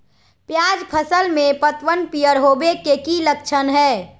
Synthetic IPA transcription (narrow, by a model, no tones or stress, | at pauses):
pjad͡ʒpʰəsəlmẽpət̪ʋənpijəɾɦobekekilək̚t͡ʃʰənɦɛː